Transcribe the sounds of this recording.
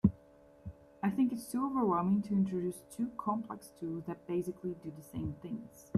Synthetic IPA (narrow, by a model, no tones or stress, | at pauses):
aɪθɪ̃ŋkɨtstʰuoʊvə˞wɛlˠmɪ̃ŋtʰɨɪ̃ntɹ̥ɨdʉstʰʉkʰɑ̃mpʰl̥ɛ̰kstʰulˠzðɨt̚b̥eɪsɨkʰlidɨðɨsẽɪ̃mθɪ̃ŋz̥